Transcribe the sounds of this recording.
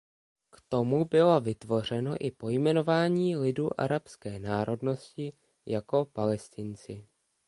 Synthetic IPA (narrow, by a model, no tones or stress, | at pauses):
kt̪o̞mubɪlo̞vɪt̪vo̞r̝ɛnoʔɪpo̞jmɛno̞vaːɲiːlɪduːʔa̰ɾapskɛːnaːɾo̞dno̞scɪ | jako̞palɛst̪ɪnt͡sɪ